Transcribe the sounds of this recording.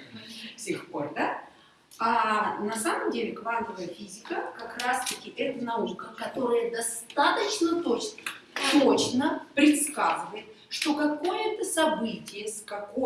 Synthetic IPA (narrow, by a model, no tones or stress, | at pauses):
fsʲɪxpo̞rd̪a | anɐsaməmdʲelʲɪkvant̪əvəjəfʲizʲɪkəkɐkrast̪əkʲɪʔɛt̪ənɐukəkɐt̪o̞ɾəjəd̪ɐst̪at̪ət͡ɕnət̪ot͡ɕnət̪ot͡ɕnəpɾʲɪt̪skazɨvəjɪt̪̚ | ʂt̪o̞kɐko̞jət̪əsɐbɨtʲɪjəskɐko